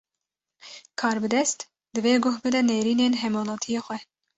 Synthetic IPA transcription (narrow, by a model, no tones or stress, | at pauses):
kʰɑːɾbɨd̪ɛst̪ | d̪ɨveːɡʊhbɨd̪ɛneːɾiːneːnɦɛmoːlɑːt̪ʰijɑːxʷwɛ